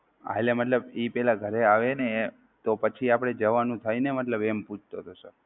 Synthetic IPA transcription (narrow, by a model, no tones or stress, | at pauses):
a̰lemət̪ləbipɛlaɡʱəɾeaʋene | t̪opət͡ʃʰiapɽ̃ed͡ʒəʋanũt̪ʰainemət̪ləbemput͡ʃʰt̪ot̪ʰosə